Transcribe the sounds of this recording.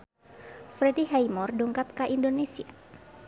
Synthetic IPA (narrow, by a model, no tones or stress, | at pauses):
fɾɛdiɦajmɔrduŋkap̚kaʔindonesia̰